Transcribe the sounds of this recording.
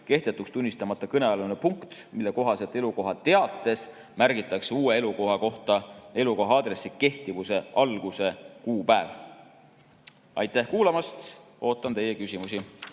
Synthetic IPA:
ke̞ht̪e̞t̪ːˑukst̪unʲːist̪ɑmɑt̪ːˑɑkɤneɑlunepuŋkt̪milːe̞ko̞ɦɑse̞t̪ːˑe̞luko̞ɦɑt̪ːe̞ɑt̪ːˑe̞s | mærɡ̥it̪ːˑɑkseuːe̞e̞luko̞ɦɑko̞ht̪ɑe̞luko̞ɦɑɑːd̪ɾe̞sːike̞ht̪ivuse̞ɑlɡ̥use̞kuːpæev | ɑjt̪ːˑæhkuːlɑmɑst̪ | o̞ːt̪ːˑɑnt̪e̞je̞kysʲimusʲi

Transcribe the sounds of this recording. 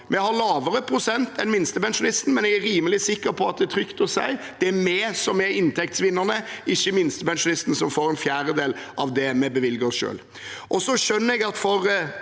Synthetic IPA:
mɛhɑɾlɑːʋəɾəpʰɾʊsɛnt̪ɛnmɪnst̪əpɛnʂʊnɪst̪n̩mɛnɛɡæɾiːməlɪsɪkːəɾpʰɔɑt̪̚d̪ɛæt̪ʰɾʏkt̪ɔsæ̰ɪ | d̪̥ɛæmɛsɔmɛɪnt̪ʰɛk̚t̪sʋɪnːəɾnəɪçːəmɪnst̪əpɛnʃʊnɪst̪n̩sɔmfoːɾɛnfjæːɾəd̪eːlʔɑʋd̪ɛmɛbəʋɪlɡəɾɔsʃø̰ːl | ʔɔsɔʂœnːəɾɛɡɑt̪fɔɾ

